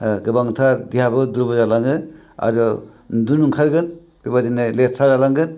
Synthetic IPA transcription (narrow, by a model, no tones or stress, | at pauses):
ɡɯbaŋtʰaɾdijabɯduɾbɔzalaŋɯ | a̰ɾɔ | dunuŋkʰaɾɡɯn | b̥ibadinɯlet̚sʰazalaŋɡɯn